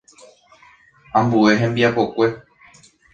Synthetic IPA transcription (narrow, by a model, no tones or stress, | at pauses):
ãmbue̞ɦẽ̞mbiapo̞kʷe̞